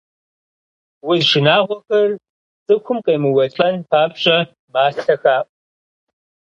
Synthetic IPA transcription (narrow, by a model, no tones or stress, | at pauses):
wʊzʂɨnaːʁʷɔxɐr | t͡sʼɨkʷʰʊmqʼeːmɨwɐt͡ʃʼɐnpʰaːpɕʼɐ | maːɬɐxaːpʼ